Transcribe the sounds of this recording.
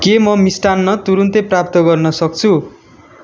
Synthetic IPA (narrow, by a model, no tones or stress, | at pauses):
kemʌmisʈanːʌt̪uɾunt̪ʌprap̚t̪ʌɡʌrnʌsʌk̚t͡sʰu